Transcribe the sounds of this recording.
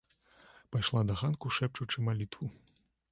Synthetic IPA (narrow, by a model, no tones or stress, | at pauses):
pajʂlˠad̪ɐɣankuʂɛp̚t͡ʂut͡ʂɨmalʲit̪vu